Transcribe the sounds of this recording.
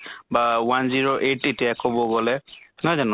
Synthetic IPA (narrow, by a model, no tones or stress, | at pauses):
bawanziɹoʔetetijakobɔɡɔlɛnɔzan